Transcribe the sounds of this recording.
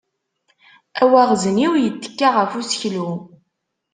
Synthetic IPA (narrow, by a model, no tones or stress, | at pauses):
æwæʁzəniwjət̪ːə̥kːaʁəfusəçlu